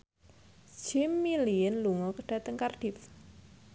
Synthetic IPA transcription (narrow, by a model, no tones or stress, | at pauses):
d͡ʒ̥ɪmːiliənluŋɔkəɖ̥ä̤t̪əŋkarɖ̥if